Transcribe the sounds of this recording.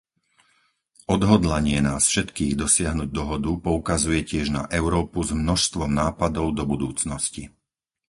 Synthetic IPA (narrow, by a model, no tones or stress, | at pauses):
ʔɔd̪ɦɔd̪laɲɪɛnaːsfʃɛt̪kiːɣd̪ɔsɪaɦnuɟ̚d̪ɔɦɔd̪upɔukazujɛcɪɛʒna̰ʔɛʊɾɔːpuzmnɔʃst̪ʋɔmnaːpad̪ɔʊd̪ɔbud̪uːt͡snɔsci